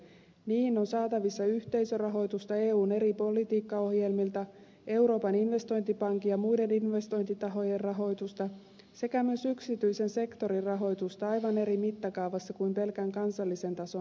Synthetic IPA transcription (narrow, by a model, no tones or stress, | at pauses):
niːno̞nsɑːt̪ɑʋisːɑyht̪e̞jsørɑɦo̞jt̪ust̪ɑe̞ːuːne̞ɾipo̞lit̪iːkːɑo̞hje̞lmilt̪ɑ | e̞wɾo̞ːpɑninʋe̞st̪o̞jnt̪ipɑŋkijɑmujde̞ninʋe̞st̪o̞jnt̪it̪ɑɦo̞je̞rrɑɦo̞jt̪ust̪ɑ | se̞kæmyøsyksit̪yjse̞nse̞kt̪o̞ɾirɑɦo̞jt̪ust̪ɑɑjʋɑne̞ɾimit̪ːɑkɑwʋɑsːɑkujmpe̞lkæŋkɑnsɑlːise̞nt̪ɑso̞n